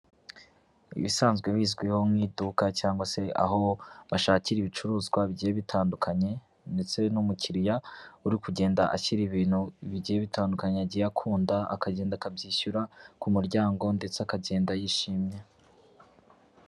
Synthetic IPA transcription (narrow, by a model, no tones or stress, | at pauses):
ḭβisaːnzɡweβiːzɡwiho̞mŋiːdukacaːŋɡwase̞a̰ɦo̞βaʃaːciɾiβit͡ʃuɾuːzɡwaβiɟijeβitʰaːndukʰaɲe̞ | nde̞t͡se̞numuciɾijauɾikuɟe̞ːndaʔaçiɾiβiːn̥huiβiɟiːjeβitʰaːndukaɲeaɟijakʰuːndaa̰kaɟe̞ːndakabɟiːçuɾakumuɾɟaːŋɡo̞nde̞t͡seakaɟe̞ːndajiʃiːmɲe